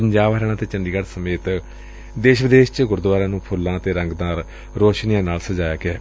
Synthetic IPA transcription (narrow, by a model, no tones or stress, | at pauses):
əɲd͡ʒaːʋɾɛːɽ̃aːt̪eːt͡ʃəɳɖiːɡəɽsəmeːt̪ | d̪eːʃʋɪd̪eːʃt͡ʃəɡʊɾd̪ʋaːɾãːnũːpʰʊlːãːt̪eːɾəŋɡd̪aːɾ | ɾoːʃnijãːnaːlsəd͡ʒaːjaːkɛː